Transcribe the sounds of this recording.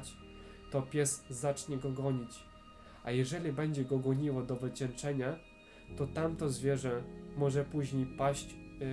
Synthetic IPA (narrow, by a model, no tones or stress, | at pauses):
t͡ɕ | t̪ɔpʲjɛsːat͡ʂɲɛɡɔɡɔɲit͡ɕ | ajɛʐɛlʲibɛɲd͡ʑɛɡɔɡɔɲiwɔd̪ɔvɘt͡ɕɛnt͡ʂɛɲa | t̪ɔt̪amt̪ɔzvʲjɛʐɛmɔʐɛpuʑɲejpaɕt͡ɕ